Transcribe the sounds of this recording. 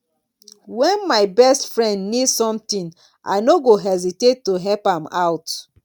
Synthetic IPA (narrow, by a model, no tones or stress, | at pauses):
wɛ̃nmaɪbɛstfɹɛ̃ndnidsɔ̃mtĩn | ʔa̰ɪnoɡoɦɛzitetːoɦɛlpãmaʊt